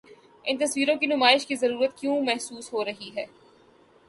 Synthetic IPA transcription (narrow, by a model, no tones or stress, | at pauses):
ɪ̃nt̪ɐsʋiːɾõkinʊmaːɪʃkizɐɾuːɾət̪kjõːmɛɦsuːsɦoɾɐɦiɦɛː